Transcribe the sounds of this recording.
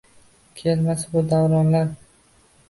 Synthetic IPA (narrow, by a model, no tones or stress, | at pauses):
kʲʰelmasbʊd̪awɾɒnlaɾ